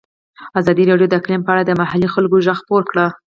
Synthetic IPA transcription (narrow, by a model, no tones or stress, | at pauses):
azɑd̪iɾɑɖjod̪əɪklimpəaɽad̪əmahalixalɡoʒaxpoɾkɽə